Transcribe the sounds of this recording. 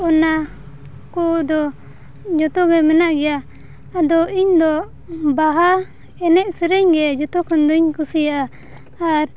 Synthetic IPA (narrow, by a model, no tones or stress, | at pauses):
ɔna | kud̪ɔ | d͡ʒɔt̪ɔɡɛmɛnaʔɡɛjaː | d̪ɔiɲd̪ɔ | baɦa | ɛnɛʔsɛɾɛɲɡɛd͡ʒɔt̪ɔkɔnd̪ɔɲkusijaʔa | aɾ